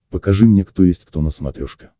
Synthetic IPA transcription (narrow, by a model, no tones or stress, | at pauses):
pəkɐʐɨmnʲekt̪ojesʲtʲkt̪onəsmɐ̰t̪ɾʲoʂkʲɪ̥